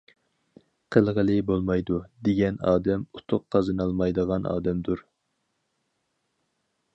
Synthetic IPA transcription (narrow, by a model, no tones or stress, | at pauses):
qʰəlˠʁəlˠɨbolˠmɑjd̪ud̪eɡʲɛnɑ̰ːd̪ɛmu̥t̪ʰʊqqʰːɑzɨnɑlˠmɑjd̪əʁɑnɑ̰ːd̪ɛmd̪uɾ